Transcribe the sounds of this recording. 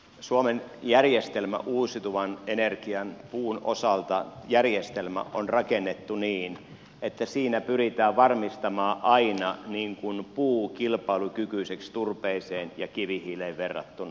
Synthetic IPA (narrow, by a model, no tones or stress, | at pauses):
suomenjærjest̪elmæ̰ʔuːsit̪uʋɑnenerkiɑnpuːno̰sɑlt̪ɑjærjest̪elmæ̰onrɑkenːet̪ːuniːn | et̪ːæsiːnæpyrit̪æːʋʋɑrmist̪ɑmɑːʔɑinɑniːŋkunpuːkilpɑilukykyisekst̪urpeiseːnjɑkiʋihiːleʋʋerːɑ̰t̪ːunɑ